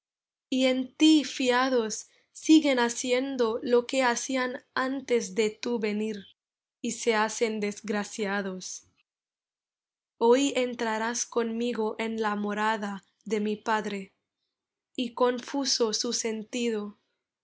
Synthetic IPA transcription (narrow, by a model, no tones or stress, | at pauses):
ie̞nt̪ifiaðosː | iɣe̞nasje̞nd̪o̞lo̞ke̞asianant̪e̞zðe̞t̪uβe̞niɾ | ise̞ase̞nd̪e̞zɡɾasjaðo̞s | o̞je̞nt̪ɾaɾasko̞nmiɣo̞ʔe̞nlamo̞ɾaða | ðe̞mipaðɾe̞ | iko̞ɱfusosuse̞nt̪iðo